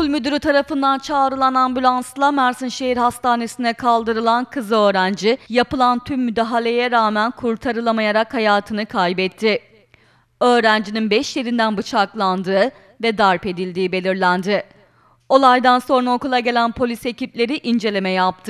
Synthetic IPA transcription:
ulʲmyd̪yɾyt̪ʰaɾafɯnd̪ant͡ʃʰaːɾɯlˠanambylʲˠanslˠamæɾsɯnʃeɦiɾhast̪ʰaːne̞sind̪ɛkʰalˠd̪ɯɾɯlˠankʰɯzɯø̞ːɾænd͡ʒijapɯlˠant̪ʰymːyd̪aɦalʲe̞jɛɾaːmænkʰuɾt̪ʰaɾɯlˠamajaɾakhajaːt̪ʰɯnɯkʰajbɛt̪ʰːɪ | ø̞ːɾænd͡ʒininbɛʃjeɾind̪ænbɯt͡ʃʰaklˠand̪ɯː | vɛd̪aɾpe̞d̪ilʲd̪iːbe̞lʲiɾlʲænd̪ɪ | o̞lˠajd̪anso̞nɾaokulˠaɟe̞lʲænpʰo̞lʲise̞ciplʲe̞ɾiʔind͡ʒe̞lʲe̞mɛjap̚t̪ʰɯ

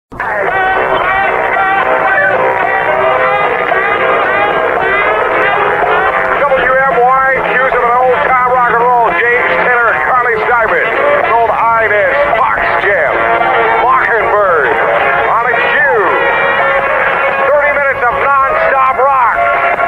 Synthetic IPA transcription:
d̥ʌbl̩ˠjuɛ̃mwaɪ̃nʰjʉzə̃mə̃noʊlˠd̚tʰɑpɹɑkəɹoʊlˠd͡ʒẽɪ̃mz̥tʰɛɾə˞kʰɑɹlisaɪbɨ̃n | boʊlˠdaɪnɪn | bfɑ̰ksʒ̥æm | mɑkɨ̃nbɜ˞d | ənɨkʰʉ | θɜ˞ɾimɪ̃nɨtsʌvnɑ̃nsɑpɹɑk̚

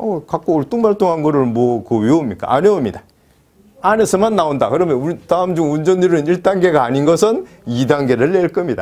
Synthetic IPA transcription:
ʌkak͈oːɭt͈uŋmaɭt͈oŋɦanɡʌɾɯɭmwʌkɯwiomɲik͈a̰aɲeomɲida | anesʰɯmanːaondakɯɾʌmjʌnutaɯmd͡ʑumund͡ʑʌniɾɯniɭt͈aŋɡe̞ɡaːɲinɡʌsʰɯn | idaŋɡe̞ɾɯɭːeɭk͈ʌmɲida̰

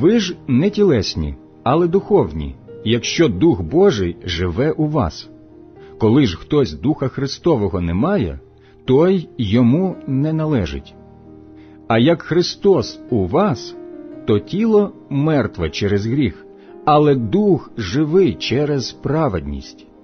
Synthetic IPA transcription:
ʋɪʒnɛtʲilˠɛsʲnʲḭ | ɐlˠɛd̪ʊxɔwnʲḭjɐkʃt͡ʃɔd̪uɣbɔʒɪjʒɪʋɛʔuʋɑ̰s | kɔlˠɪʒxt̪ɔsʲd̪uxɐxɾɪst̪ɔʋɔɦɔnɛmɑjɛ̰ | t̪ɔjːɔmunɛnɐlˠɛʒɪ̰tʲ | ɐjɐkxɾɪst̪ɔsuʋɑst̪ɔtʲilˠɔ | mɛrt̪ʋɛt͡ʃɛɾezɦɾʲix | ɐlˠɛd̪uxʒɪʋɪt͡ʃɛɾɛz̥pɾɑʋed̪ʲnʲḭsʲtʲ

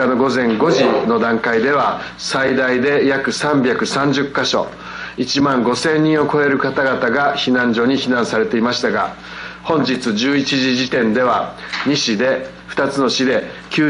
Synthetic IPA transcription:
ano̞ɡo̞zẽ̞ŋɡo̞ʑino̞d̪ãŋkaid̪e̞βa | said̪aid̪e̞jakɯ̟sãmbʲakɯ̟sãɲd͡ʑɨkːaɕo̞̰ | it͡ɕimãŋɡo̞sẽ̞ɲ̟ːĩɰ̃o̞ko̞e̞ɾɯ̟kat̪aɡat̪aɡaçinãɲ̟d͡ʑo̞ɲ̟içinãɰ̃saɾe̞t̪e̞imaɕi̥t̪aɡa̰ | hõ̞ɲ̟d͡ʑit͡sɨd͡ʑɨːit͡ɕiʑiʑit̪ẽ̞nd̪e̞β̞aɲ̟iɕid̪e̞ | ɸɯ̟̥t̪at͡sɨno̞ɕid̪e̞kʲɨː

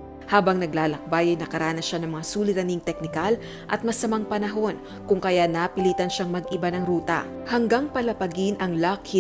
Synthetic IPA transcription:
haːbɐŋnɐɡlaːlɐk̚bajɐjnɐkɐɾaːnɐsʃanɐŋmɐŋasuːlɪɾɐniŋt̪ɛk̚nɪkal | ʔɐt̪̚mɐsɐmaŋpɐnɐɦo̞n | kʊŋkɐjanapɪliːt̪ɐnʃaŋmɐɡɪbanɐŋɾuːt̪ɐ̰ | hɐŋɡaŋpɐlɐpɐɡinʔɐŋlakhi

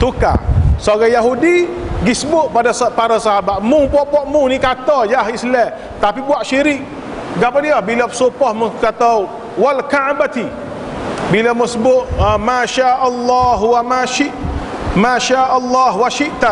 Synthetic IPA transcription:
t̪uka̰soɡajaɦudiɡisəbʊʔ̪̚padaspaɾasaɦabat̪̚mʊŋbuaʔbaʔmʊŋnikat̪ɔd͡ʒaɦislɛ | t̪apibuaʔʃiɾɪk | ɡapadiɔhbilapə̥sopɔhməkat̪au | walkaʕbat̪i | bilamʊsəbʊʔ̚maʃaʔalːaɦwamaʃiʔ | maʃaʔalːɑɦwaʃiʔt̪a

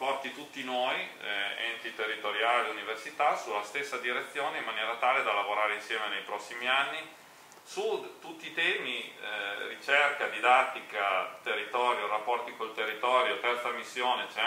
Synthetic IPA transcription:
pɔrt̪it̪ut̪ːinoːjɛ̰nt̪it̪erːit̪oɾjaːleuniversit̪asulːast̪esːad̪iɾet̪sːjoːneimːanjɛːɾat̪aːled̪alavoɾaːɾeinsjɛːmenejpɾɔsːimianːi | sut̪ut̪ːiːt̪ɛːmi | rit͡ʃɛrkad̪id̪at̪ːikat̪erːit̪ɔːɾjoɾapːɔrt̪ikolt̪erːit̪ɔːɾjot̪ɛrt̪samisːjoːnet͡ʃɛ

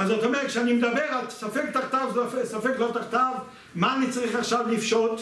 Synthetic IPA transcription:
azot̪omeʁɛt̪ʃeanimed̪abeʁalsafek̚t̪aχt̪avzfesafeklot̪aχt̪av | maːnit͡saʁiχaχʃavlifʃot̪

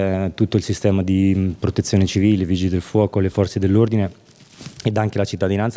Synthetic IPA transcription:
t̪ut̪ːoilsist̪ɛːmad̪ipɾot̪et̪sjoːnet͡ʃiviːleviːd͡ʒid̪elfwɔːkolefɔrt̪sed̪elːord̪ine | ed̪aŋkelat͡ʃit̪ːad̪inant̪s

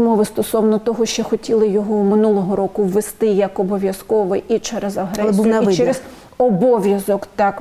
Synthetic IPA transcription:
mɔʋɪst̪ɔsɔwnɔt̪ɔɦɔʃt͡ʃɔxɔtʲilˠɪjɔɦɔmɪnulˠɔɦɔɾɔkʊwːest̪ɪjɐkɔbɔʋʲjɐskɔʋɪjʔit͡ʃɛɾezɐɦɾɛlɛsbuijnɐiɪt͡ʃɛɾez | ɔbɔʋʲjɐzɔkt̪ɑk

